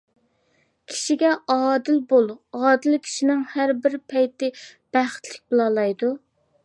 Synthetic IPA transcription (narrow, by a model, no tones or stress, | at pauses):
kʲʰi̥ʃiɡʲɛʔɑːd̪ɪlbolˠɑːd̪ɪlkʲʰi̥ʃinɪŋhæɾbɪɾpʰɛjt̪ɪb̥æχt̪ʰlɪk̚ʲbolˠɑlˠɑjd̪u